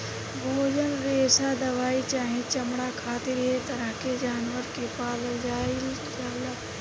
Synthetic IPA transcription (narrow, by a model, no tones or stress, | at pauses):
bʱoːd͡ʒənɾeːsad̪ɐʋaːit͡ʃaːɦẽt͡ʃɐmɽakʰaːt̪ɪɾɦet̪ɐɾaked͡ʒaːnʋəɾkepaːləld͡ʒaːil | d͡ʒaːlɐ